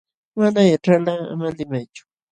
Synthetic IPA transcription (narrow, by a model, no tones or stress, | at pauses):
manajaʈ͡ʂalaa̰malɪmajt͡ʃʊ̥